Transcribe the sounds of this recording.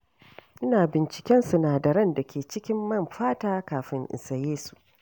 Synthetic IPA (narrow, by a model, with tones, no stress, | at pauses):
ʔɪ˦naː˨bɪ˨nt͡ʃɪ̥˨kʲɛ˦nsʊ˨naː˨dɐ˨ɾɐ˦nda˨kʲʰeː˨t͡ʃɪ˦kʲɪ˦mːɐ˦˨mɸaː˦taː˦kaː˨ɸɪ˦ŋʔɪ̰˨nsɐ˨jeː˦su̥˨ʔ